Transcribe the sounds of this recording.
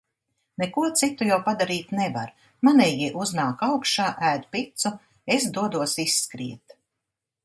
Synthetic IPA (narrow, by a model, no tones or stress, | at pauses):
nekuɔt̪sit̪ujawpad̪aɾiːt̪neva̰ɾ | manɛjiʔuznaːkawkʃaːʔæːd̪pit̪su | esd̪uɔd̪uɔsisːkɾḭɛt̪